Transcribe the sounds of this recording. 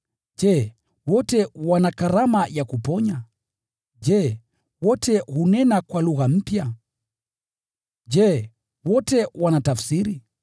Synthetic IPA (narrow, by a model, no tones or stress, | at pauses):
d͡ʒɛ | wɔtɛwanakaɾamajakupɔɲa | d͡ʒɛ | wɔtʰɛhunɛnakwaluɣam̩pja | d͡ʒɛ | wɔtɛwanatafsiɾi